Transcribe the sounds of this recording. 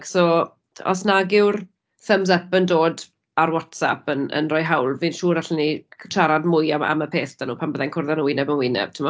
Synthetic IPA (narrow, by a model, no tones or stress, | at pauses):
ksɔː | ɔ̰snaɡɪwr | θəmzɛpəndoːd | arwɔtsa̰pənə̰nrɔjɦawlˠvɨnʃuːɾaɬəniʃaɾadmʊjaa̰məpʰeːθd̥anuːpʰanbəðankʰʊrðanənwɪnɛbənwɪnɛ̰b̥̚tʰɪmɔ